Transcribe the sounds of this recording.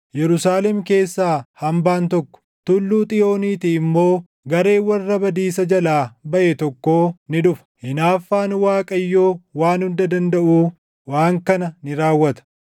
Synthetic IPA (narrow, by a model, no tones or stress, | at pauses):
jɛɾʊsaːlɛmke̞ːsːaːhɐmbaːnt̪ɔkːɔ̥ | t̪ʊlːuːt̪ʼɪjo̞ːniːt̪ɪːmːo̞ː | ɡɐɾe̞ːwɐrːɐbɐd̪iːsɐd͡ʒɐlaːbɐʔɛt̪ɔkːo̞ːnɪᶑʊfɐ̥hɪnaːfːaːnwaːkʼɐjːo̞ːwaːnhʊnd̪ɐd̪ɐnd̪ɐʔuː | waːŋkɐnɐnɪɾaːwːɐt̪ɐ̥